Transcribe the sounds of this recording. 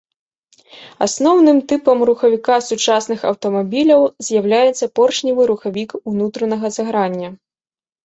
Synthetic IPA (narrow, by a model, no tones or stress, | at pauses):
a̰snɔwnɨmt̪ɨpɐmruxɐvʲikasut͡ʂasnɨxɐ̰wt̪ɐmabʲilʲɐwzʲjawlʲajɛt̪sːɐpɔrʂnʲivɨɾuxavʲikunut̪ɾɐnɐɣɐzɐɣɾanʲːɐ